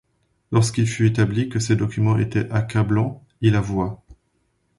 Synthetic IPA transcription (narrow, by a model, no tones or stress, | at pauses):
lɔʁskilfyet̪ablikəsed̪ɔkʲymɑ̃ʔḛt̪ɛakʲablɑ̃ | ilavwa